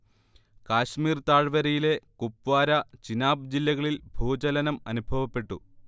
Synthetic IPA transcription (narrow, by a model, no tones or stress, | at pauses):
kaːɕmiːrt̪aːɻʋɐɾɐjile̞kupːʋaːɾɐt͡ɕinaːb̚d͡ʑilːɐɣɐɭilbʱuːd͡ʑɐlɐnɐmɐ̰nubʱɐʋɐpːe̞ʈːṵ